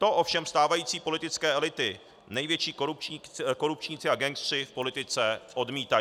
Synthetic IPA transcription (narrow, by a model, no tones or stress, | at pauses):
t̪o̞ʔo̞fʃɛmst̪aːvajiːt͡siːpo̞lɪt̪ɪt͡skɛːʔɛlɪt̪ɪ | nɛjvjɛt͡ʃiːɾpko̞ɾup̚t͡ʃɲit͡sɪaɡɛŋksr̝̥ɪfpo̞lɪt̪ɪt͡sɛʔo̞dmiːt̪a